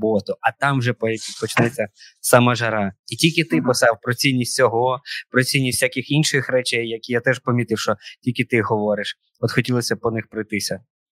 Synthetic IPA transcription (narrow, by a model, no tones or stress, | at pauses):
bɔt̪ʊʔɐt̪ɑmwʒɛpɔpʲid̪̚pɔt͡ʃnɛt͡sʲːɐsɑmɐʒɐɾɑitʲilʲkɪt̪ɪpɔsɑwpɾɔt͡sʲinʲːisʲtʲt͡sʲɔɦɔpɾɔt͡sʲijnʲisʲsʲakɪxinʃɪxɾɛt͡ʃɛjːɐkʲijat̪ɛʃpɐmʲit̪ɪwʃt͡ʃɔtʲilʲkʲɪt̪ɪɦɔʋɔɾɪʃ | ɔt̪xɔtʲilˠɔsʲɐpɔnɪxpɾɔjt̪ɪsʲɐ